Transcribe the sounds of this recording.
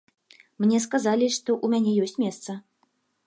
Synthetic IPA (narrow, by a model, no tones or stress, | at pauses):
mnʲɛskazalʲiʂt̪ɔʔumʲanʲɛjɔsʲt͡sʲmʲɛst̪sɐ